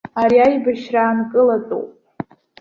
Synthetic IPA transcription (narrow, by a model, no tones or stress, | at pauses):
aɾiajbaʃraːnkʼɨlat͡sʼo̰pʼ